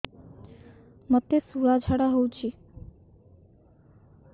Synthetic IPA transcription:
mət̪ːesuɾad͡ʒʱaɽaɦowt͡ʃʰi

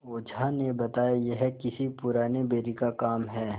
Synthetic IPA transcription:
oːd͡ʒʱanebɐt̪aːjajeɦɛkɪsipʊɾaːnebeːɾikakaːmɦɛː

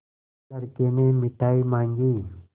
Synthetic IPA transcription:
əɾkenemɪʈʰaːimãːŋɡiː

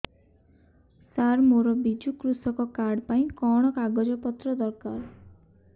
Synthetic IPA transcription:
saɾmoɾɔbid͡ʒukɾusɔkɔkaɾɖpaĩkɔɽ̃ɔkaɡɔd͡ʒɔpɔt̪ɾɔd̪ɔɾkaɾ

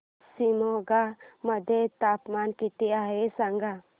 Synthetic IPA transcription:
simoɡaməd̪ʱet̪aːpmankit̪iaɦesaŋɡa

